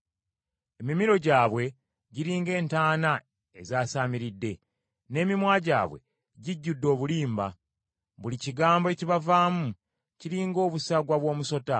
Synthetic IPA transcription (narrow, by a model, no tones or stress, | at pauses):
e̞mimiɾo̞ɟaːβwe̞ | ɟiɾiːŋɡe̞ːntaːna | e̞zaːsaːmiɾidːe̞ | ne̞ːmimwaːɟa̰ːβwe̞̰ | ɟiɟːudːo̞ːβuliːmba̰ | βuliciɡaːmboe̞ciβavaːmu | ciɾiːŋɡo̞ːβusaɡwaβwo̞ːmuso̞ta